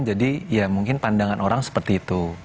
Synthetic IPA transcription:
nd͡ʒadijamuŋkɪnpandaŋanʔoɾaŋsə̥pərt̪iːt̪u

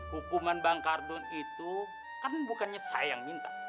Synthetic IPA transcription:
hukumanbaŋkardʊnit̪u | kanbukanɲasa̰jaŋmint̪a

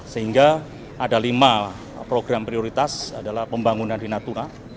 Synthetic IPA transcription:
səɦiŋɡa | ʔadalima | pɾoɡɾampɾioɾit̪asa̰dalahpəmbaŋunandinat̪una

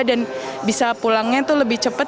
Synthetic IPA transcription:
danbisapulaŋɲat̪uləbɪht͡ʃəpət̪̚

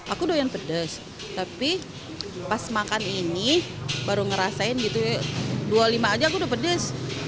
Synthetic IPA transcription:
akudojanpədəs | t̪api | pasmakaninibaɾuŋəɾasaɪnɡit̪udualimaːd͡ʒakudopədəs

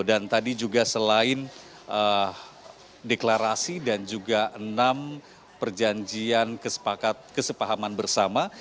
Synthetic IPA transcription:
dant̪adid͡ʒuɡasəlaɪn | ʔə | deklaɾasidand͡ʒuɡaʔənam | pərd͡ʒaɲd͡ʒiankəsə̥pakat̪̚kəsəpaɦamanbərsama

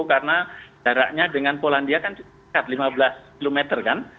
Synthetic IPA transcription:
karnadaɾa̰ʔɲadəŋanpolandiakant͡ʃu | kat̪limabəlaskilomɛt̪ərkan

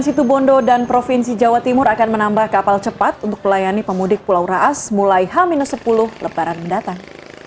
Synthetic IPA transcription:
nsit̪ubɔndodanpɾofinsid͡ʒawat̪imʊɾakanmənambahkapalt͡ʃəpat̪̚unt̪ʊ̥k̚məlajanipəmudɪk̚pulawɾaʔasmulajɦaminʊt̪səpulʊhləpaɾanməndat̪aŋ

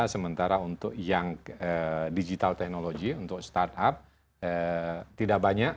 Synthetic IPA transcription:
asəmənt̪aɾaunt̪ʊkjaŋədid͡ʒit̪alt̪ɛk̚noloɡiunt̪ʊk̚st̪art̪ap̚ | ət̪idaʔ̚baɲak

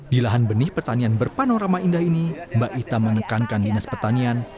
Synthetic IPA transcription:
dilaɦanbənɪhpərt̪anianbərpanoɾamaindahinimbaʔit̪amənəkankandinaspərt̪anian

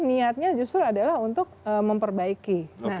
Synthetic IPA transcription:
niat̪̚ɲad͡ʒust̪ɾuadalahunt̪ʊk̚əməmpərbaikinna

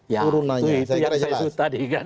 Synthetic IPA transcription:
jauɾunauitujasasut̪adiɡa

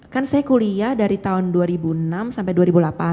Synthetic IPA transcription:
kansajakuliahdaɾit̪aʊnduaɾibunamsampajduaɾibulapa

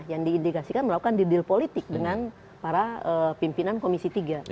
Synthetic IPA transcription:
jaŋdiːndikasikanməlakukandidɪlpolit̪ɪk̚dəŋan | paɾaəpimpinankomisit̪iɡa

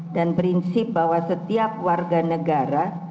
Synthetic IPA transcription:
danpɾinsɪp̚bahwasət̪iap̚warɡanəɡaɾa

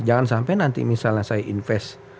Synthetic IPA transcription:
d͡ʒaŋansampajnant̪ḭmisalnasajaʔinfɛs

